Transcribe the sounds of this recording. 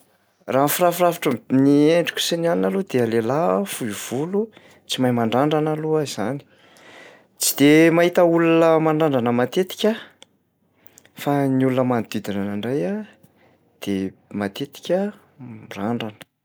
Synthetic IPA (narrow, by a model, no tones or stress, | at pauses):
raːnfirafrafḁʈ͡ʂəmnieɳɖ͡ʐikʲu̥senianinalod̪ealelafujv̥ulu | t͡simajmaɳɖ͡ʐaɳɖ͡ʐanaluaiz̥ani̥ | t͡si̥d̪̥emaɦit̪əulunəmaɳɖ͡ʐaɳɖ͡ʐanəmat̪et̪i̥kʲə | faniulunəmand̪id̪inanaɳɖ͡ʐaja | d̪̥emat̪et̪i̥kʲə | mraɳɖ͡ʐanə̥